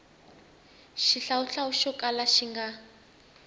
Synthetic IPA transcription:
ʃiɬauɬauʃɔkʼalaʃiŋɡa

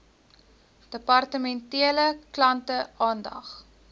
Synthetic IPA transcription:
d̥əpɐrtəmɛntiələklɐntəʔɑːndɐ̰χ

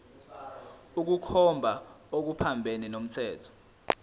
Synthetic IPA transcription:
uk̬ukʰɔmbʱaok̬upʰambʱeninom̩tʰɛːtʰɔ̥

